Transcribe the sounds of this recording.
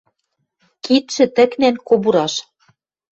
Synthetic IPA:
kit̪ʃɘ̆t̪ɘ̆knænkobuɾɑʃ

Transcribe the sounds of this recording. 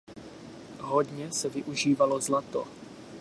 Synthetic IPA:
ɦodɲɛsɛvɪʔuʒiːvalozlat̪o̰

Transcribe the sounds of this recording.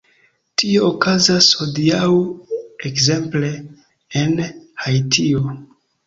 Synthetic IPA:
tio̞okazashodiawekze̞mple̞ː | nhajtʰio

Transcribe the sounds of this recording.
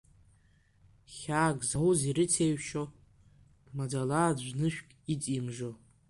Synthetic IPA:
χʲaːɡʼzawuziɾɨtʰeɥʃo | mad͡zalaːd͡ʒʷnɨʃᶣkʲʼit͡sʼimʐo

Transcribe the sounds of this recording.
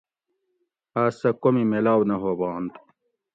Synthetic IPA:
aːsɐkomimelaːwnɐɦoːbɑːnt̪u̥

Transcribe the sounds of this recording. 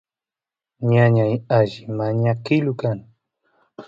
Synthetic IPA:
ɲaɲajaʒɪmaɲakɪlʊkaŋ

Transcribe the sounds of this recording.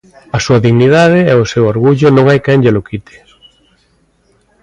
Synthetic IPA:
ɐsuɐðiɣniðaðɪɛʊsewoɾɣuʎʊnõŋajkɛŋʎelʊkit̪ɪ̥

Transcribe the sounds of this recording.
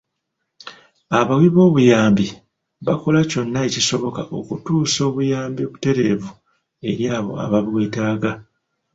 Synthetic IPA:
aβawiβo̞ːβujaːmbi | βako̞laco̞nːaeciso̞βo̞kaʔo̞kutuːso̞ːβujaːmboβute̞ɾe̞vu | e̞ɾjaːβo̞̰a̰βaβweːtaːɡa

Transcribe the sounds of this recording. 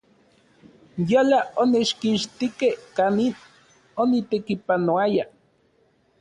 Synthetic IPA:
jolaonet͡ʃkiʃt̪ikehkanin | onit̪ekipanoaja

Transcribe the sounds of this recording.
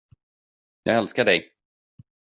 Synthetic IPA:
jɑ̰ːɡɛlskaɖɛj

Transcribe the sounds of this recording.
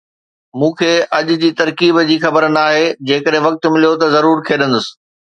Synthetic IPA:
mũːkʰeːʔɐʄʊ̆d͡ʑiːt̪ɐɾkiːbd͡ʑiːxɐbəɾnaːɦeːd͡ʑeːkəɗɦẽʋɐk̚t̪̆mɪlijot̪ɐzɐɾuːɾk̪ʰeːɗə̃nd̪ʊsɪ̥̆

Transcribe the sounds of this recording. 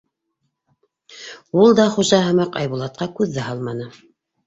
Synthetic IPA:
ulˠd̪ɑχuʒɑɦɤ̆mɑqɑ̰jβulˠɑt̪̚qɑkʉðːæɦɑlˠmɑnɤ

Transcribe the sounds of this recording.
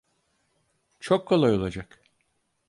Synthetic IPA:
t͡ʃʰokʰːolˠajo̞lˠad͡ʒak

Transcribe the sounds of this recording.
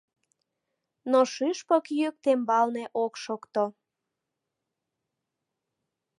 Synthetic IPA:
noʃɨʃpəkjøk̚t̪embɑlneʔokʃokt̪o

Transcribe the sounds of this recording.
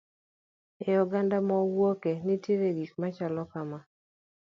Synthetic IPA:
jɔɡandamɔwokenitjeɾeɡikmat͡ʃalɔkama

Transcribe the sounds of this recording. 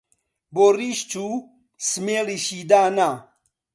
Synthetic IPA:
boriʃt͡ʃʰu | smeliʃiːd̪aːna

